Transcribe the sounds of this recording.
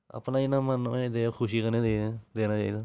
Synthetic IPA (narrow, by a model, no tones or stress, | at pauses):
a̰pnãːɪnaːmənẽd̪eːkʰʊʃiːkənẽːd̪eːd̪eːnaːt͡ʃa̰ːiːd̪aː